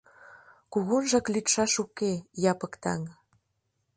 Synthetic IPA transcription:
kuɣunʒɑklit̪ʃɑʃukejɑpɤ̆kt̪ɑ̰ŋ

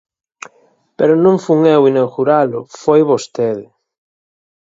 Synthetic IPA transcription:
peɾonũɱfuŋewinewxuɾalʊfojβost̪eðe

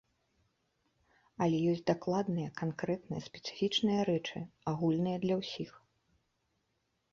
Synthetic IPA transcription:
ɐlʲɛjɔsʲtʲd̪aklˠad̪nɨjɐkankɾɛt̪nɨ̰jɐsʲpʲɛ̥t̪sɨ̥fʲit͡ʂnɨjɐɾɛt͡ʂɨ̰aɣulʲnɨjɐd̪lʲɐwsʲix

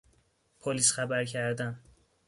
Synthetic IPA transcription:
pʰoliːsxæbæɾcʰæɾd̪æn

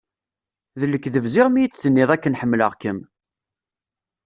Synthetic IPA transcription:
ðəlːəkːðəvzɪʁmijit͡sːθənːɪðˤækːənħəmːlə̰ʁkəm

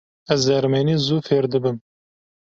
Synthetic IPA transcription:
ɛzd̪ɛɾmeːniːzuːfeːɾd̪ɨbɨm

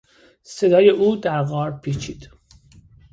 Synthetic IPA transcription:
se̞d̪ɒːjeʔuːd̪æɾɣɒːɾpʰit͡ʃʰiːd̪̥

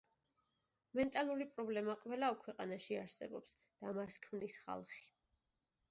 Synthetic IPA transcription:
mɛnt̪ʼalˠuɾipʼɾɔblɛmaqʼwɛlˠaɔkʰwɛqʼanaʃiaɾsɛ̰bɔps | d̪̥amaskʰmnisχa̰lˠχi̥

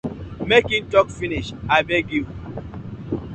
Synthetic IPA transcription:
mekĩntɔkfiniʃaɪbeɡiv

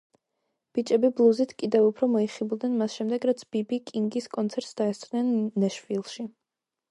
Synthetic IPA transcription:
b̥it͡ʃʼɛbiblˠuzit̪ʰkʼid̪ɛvupʰɾɔmɔiχibd̪nɛnmasʃɛmd̪ɛɡɾat̪sʰb̥ibikʼiŋɡiskʼɔnt̪sʰɛɾt̪sd̪̥aɛst̪sʼnɛnːɛʃvilˠʃi

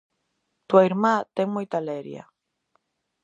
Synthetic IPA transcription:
t̪waiɾmat̪eŋmujt̪aleɾja̰

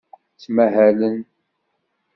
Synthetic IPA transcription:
t͡sːmæɦælən

